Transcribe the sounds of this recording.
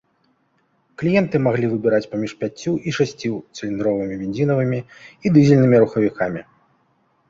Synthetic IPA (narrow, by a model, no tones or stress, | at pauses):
klʲijɛnt̪ɨmaɣlʲivɨbʲiɾat͡sʲpamʲiʂpʲat͡sʲːuʔiʂasʲt͡sʲit̪sɨlʲind̪ɾɔvɨmʲibʲinʲzʲinɐvɨmʲiid̪ɨzʲilʲnɨmʲiɾuxɐvʲikamʲi